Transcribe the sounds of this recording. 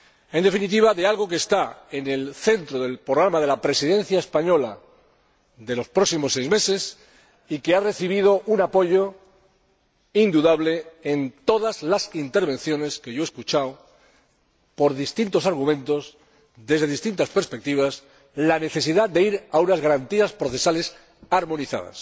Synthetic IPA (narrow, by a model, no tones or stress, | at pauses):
e̞nd̪e̞finit̪̬iβaðe̞alɣo̞k̬eːst̪aene̞lθe̞nt̪ɾoðe̞lpɾoɣ̞ɾamaðe̞lapɾe̞siðe̞n̟θjaespaɲo̞la | ðe̞lo̞spɾoksimo̞se̞jzme̞se̞s | ike̞are̞θiβ̞ið̞o̞ʔunapo̞ʝo̞ | ind̪uðaβle̞ent̪o̞ðazlasint̪eɾβe̞n̟θjo̞ne̞ske̞ʝo̞e̞skut͡ʃao | po̞ɾðist̪int̪o̞saɾɣ̞umẽ̞nt̪o̞z | ðe̞zðe̞ðist̪int̪aspeɾspek̚t̪iβ̞as | lane̞θe̞siðad̪e̞iɾaunazɣaɾant̪iaspɾo̞θe̞sale̞s | aɾmõ̞niθa̰ða̰s